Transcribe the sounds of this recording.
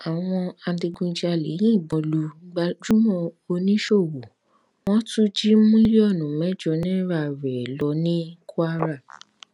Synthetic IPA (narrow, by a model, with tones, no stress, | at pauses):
a˨w̃ɔ̃˧a˧˦di˧ɡũ˧d͡ʒi˦a˧le˨˦j̃ĩ˦˨ɡ͡bɔ̃˨˧lu˧˦ɡ͡ba˧d͡ʒu˦mɔ̃˧o˧nĩ˦ʃo˦˨wo˨ | w̃ɔ̃˦tũ˦d͡ʒi˦mũ˦i˦ɾi˦ɔ˦˨nũ˨mɛ̃˨˦d͡ʒɔ˧˦nĩ˦ɾa˦˨ɾɛ˨lɔ˨˦nĩ˦ku˦a˦ɾa˦˨